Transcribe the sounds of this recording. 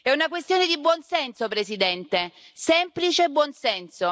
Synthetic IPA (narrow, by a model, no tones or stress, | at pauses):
ɛunak̬west̪joːned̪ibwɔnsɛnsopɾesid̪ɛnt̪e | sɛmplit͡ʃebːwɔnsɛnso